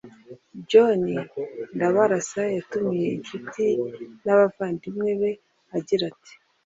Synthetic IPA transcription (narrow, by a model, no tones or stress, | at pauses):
ɟo̞nindaβaɾasajatumije̞int͡ʃutinaβavaːndimŋe̞βe̞ | aɟiɾati̥